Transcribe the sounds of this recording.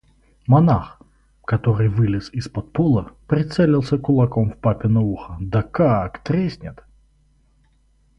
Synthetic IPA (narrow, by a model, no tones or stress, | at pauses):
mɐnax | kɐt̪oɾɨjvɨlʲɪsɪspɐt̪̚polˠəpɾʲɪt̪sɛlʲɪlˠsʲəkʊlˠɐkomfpapʲɪnɐuxəd̪ɐkakt̪ɾʲesʲnʲɪt̪